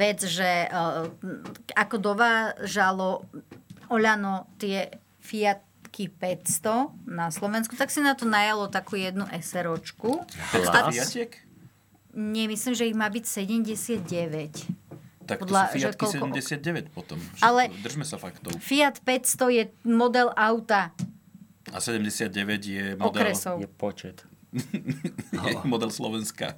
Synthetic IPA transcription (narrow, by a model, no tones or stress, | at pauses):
ʋɛd͡zʒɛ | akɔd̪ɔʋaːʒalɔ | ɔʎanɔt̪ɪɛ | fiat̪kipɛtst̪ɔnaslɔʋɛnskut̪aksinat̪ɔnajalɔt̪akuːjɛd̪nuʔɛsɛɾɔt͡ʃkut̪aaɪɛk | ɲɛmislimʒɛiɣmaːbicsɛɟɛmɟɛsɪad̪̚ɟɛʋɛcpt̪akɔd̪laiʒaɛkiɔlsɛɛmɟɛsɪad̪̚ɟɛʋɛcpɔt̪ɔmt͡ʃalɛd̪r̩ʒmɛsafakt̪ɔʊfiat̪pɛcst̪ɔjɛmɔd̪ɛlʔaʊt̪a | a̰sɛɟɛmɟɛsɪad̪̚ɟɛʋɛɟjɛmɔd̪ɛɾɛsɔjɛpɔt͡ʃɛt̪ | ɛmɔd̪ɛlslɔʋɛnska̰